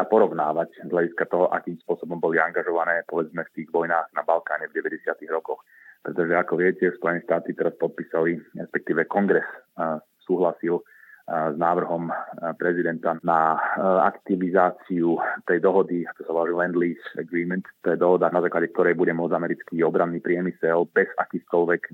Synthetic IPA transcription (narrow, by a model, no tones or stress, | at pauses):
apɔɾɔʊnaːʋaczɦlaɟiskat̪ɔɦɔʔa̰kiːmspʊɔsɔbɔmbɔliaŋɡaʒɔʋanɛːpɔʋɛd͡zmɛft̪iːɣʋɔjnaːɣnabalkaːɲɛvɟɛʋɛɟɛsɪat̪iɣɾɔkɔx | pɾɛt̪ɔʒɛakɔʋɪɛcɛspɔjɛnɛːʃt̪aːt̪it̪ɛɾaspɔt̪̚pisaliɾɛspɛk̚t̪iːʋɛkɔŋɡɾɛs | suːɦlasil | znaːʋr̩ɦɔmpɾɛzid̪ɛnt̪anaa̰kt̪iʋizaːt͡siut̪ɛjd̪ɔɦɔd̪iakɔ̥saɔɔɾilɛnd̪liːsɛ̰ɡɾiːmɛnt̪t̪ɔjɛd̪ɔɦɔd̪anazaːklaɟɛk̚t̪ɔɾɛjbuɟɛmʊɔd͡zamɛɾit͡skiɔbɾanːiːpɾɪɛmisɛlbɛzakiːxkɔlʋɛk